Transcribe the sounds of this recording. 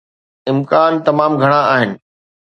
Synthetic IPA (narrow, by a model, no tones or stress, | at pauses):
ɪmkaːnt̪ɐmaːmɡʱɐɽ̃ãaːɦɪnɪ̆